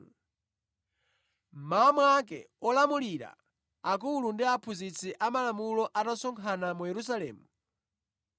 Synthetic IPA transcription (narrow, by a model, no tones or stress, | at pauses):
mamwakɛ̰ | ɔlamuliɾa̰ː | kulundiapʰuzit͡sʰiʔamalamulɔʔatasɔŋkʰanamujɛɾus̬alɛ̰ːmu